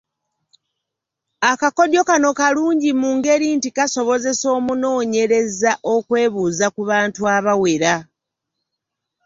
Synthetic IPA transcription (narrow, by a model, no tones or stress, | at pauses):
akako̞djo̞kano̞kaluːɲɟimuːŋɡe̞ɾintikaso̞βo̞ze̞so̞ːmuno̞ːɲe̞ɾe̞zaʔo̞kwe̞ːβuzakuβaːntuaβaweɾa